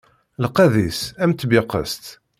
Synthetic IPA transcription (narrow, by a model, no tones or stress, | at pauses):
ləqːæðisæmt̪ːbɪqə̰st̪